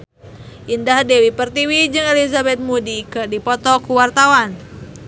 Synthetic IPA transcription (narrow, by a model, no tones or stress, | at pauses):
ʔindahdɛwipərt̪iwid͡ʒɨŋɛlizabɛt̪̚mudikɨrdipɔt̪ɔkuwart̪awan